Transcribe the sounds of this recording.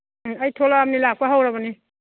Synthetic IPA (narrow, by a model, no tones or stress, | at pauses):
ajtʰolaamnilak̚paɦawɾabani